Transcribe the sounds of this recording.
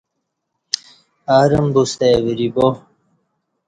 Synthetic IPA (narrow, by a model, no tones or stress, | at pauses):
aːɾɐmbust̪ewiɾibo